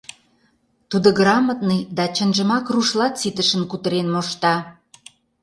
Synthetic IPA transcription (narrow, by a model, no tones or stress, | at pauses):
t̪ud̪ə̆ɡrɑmət̪nid̪ɑt͡ɕə̆nʒə̆mɑkruʃlɑt̪t͡sit̪əʃə̆nkut̪əɾenmoʃt̪ɑ